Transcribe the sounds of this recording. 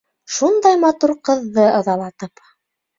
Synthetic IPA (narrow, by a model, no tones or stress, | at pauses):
ʃund̪ɑjmɑt̪uɾqɤ̆ðːɤɑðɑlˠɑt̪ɤp